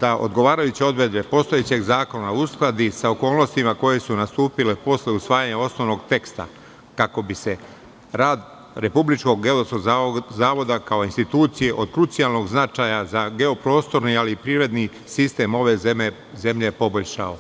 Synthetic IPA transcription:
d̪aʔod̪ɡo̞ʋaːɾajut͡ɕeo̞d̪ɾe̞d̪be̞po̞st̪oje̞t͡ɕe̞ɡzaːkonausklad̪isaoko̞ːlˠno̞st̪imako̞je̞sunast̪uːpile̞po̞sleusʋaːjaɲao̞sno̞ʋno̞ɡt̪e̞kst̪a̰ | kako̞bise̞ | ɾaːd̪ | ɾe̞publit͡ʃko̞ɡɡe̞losoɡzaːʋo̞d̪akao̞inst̪it̪uːt̪sije̞ʔo̞d̪kɾut̪sijalˠno̞ɡznat͡ʃajazaɡe̞o̞pɾo̞ːst̪o̞ɾnialipɾiːɾe̞d̪ni | sist̪e̞mo̞ʋe̞zeme | ze̞mʎe̞po̞bo̞ʎʲʃa̰o

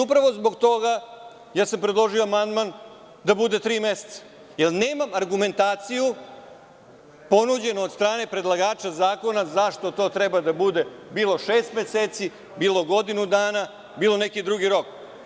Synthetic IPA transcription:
upɾaʋo̞zbo̞ɡt̪o̞ɡa | jaːsampɾed̪lˠo̞ʒioamand̪man | d̪abud̪e̞t̪ɾiːme̞set̪sḁ | jelneːmamaɾɡume̞nt̪aːt̪siju | po̞nud͡ʑe̞noːd̪st̪ɾaːne̞pɾe̞d̪lˠaɡaːt͡ʃazaːko̞nazaʃt̪o̞t̪o̞ːt̪ɾɛbad̪abud̪e̞biːlˠo̞ʃeːst̪meseːt̪si | biːlˠo̞ɡo̞d̪inud̪aːna | biːlo̞nekid̪ɾuɡiɾo̞k

